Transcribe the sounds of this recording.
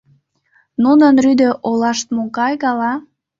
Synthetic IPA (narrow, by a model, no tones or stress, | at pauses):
nunənryd̪ø̆ʔolɑʃt̪̚mokɑjɣɑlɑ